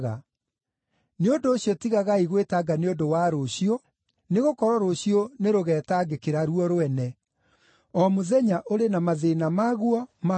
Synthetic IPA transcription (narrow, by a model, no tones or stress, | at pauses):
ɣa̰ | neondoːɕijɔtiɣaɣaiɣwetaɡaneondowaɾoɕiɔ | neɣokɔɾɔɾoɕijoneɾoɣɛːtaːɡekeɾaɾuɔɾoɛnɛ | ɔmoðɛɲaʔoɾenamaðenamaɣuɔma